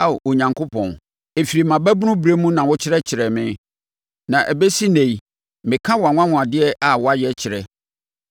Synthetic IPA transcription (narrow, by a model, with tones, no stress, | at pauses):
a˦˨o˨ɲã˨ŋkʰo˦pʰɔ̰̃˨n | e˨fi˨ɾi˨mã˨bæ˦bʊ˦nʊ̃˦bu˨ɾe˦mũ˦nã˨wʊ˦t͡ɕʰɪ˦ɾɛ˦t͡ɕʰɪ˨ɾɛ˨mɪ̃˦ | nã˨ʔæ˨be˦si˦nẽ˨i˨ | mɪ̃˨kʰã˦wɔ˨a˨ŋ̃ʷ˦ã˦ŋʊ̃˨a˨dɪ˦ɛ˦ʔa˨wɔ˦a˦jɛ˦t͡ɕʰɪ˨ɾɛ˨